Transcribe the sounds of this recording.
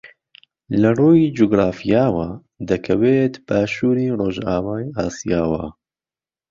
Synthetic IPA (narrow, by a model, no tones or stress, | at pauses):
lɨroːjiːd͡ʒoːɡɾaːfijaːwɑː | d̪ɛkʰɛweːt̪baːʃuːɾiːroːʒaːwaːjiaːsijaːwɑ̰ː